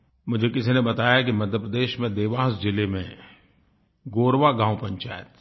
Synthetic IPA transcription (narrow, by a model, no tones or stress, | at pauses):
mʊd͡ʒʱekɪsinẽbɐt̪aːjak̬imɐd̪ʱjəpɾəd̪eːʃmẽd̪eːʋaːsd͡ʒɪlemḛ̃ | ɡoːɾʋaɡãːw̃pɐ̃ɲt͡ʃa̰ːjt̪